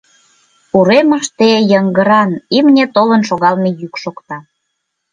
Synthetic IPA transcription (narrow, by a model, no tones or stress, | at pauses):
uɾeməʃt̪ejəŋɡə̆ɾɑnimnʲet̪olənʃoɣɑlmejykʃokt̪ɑ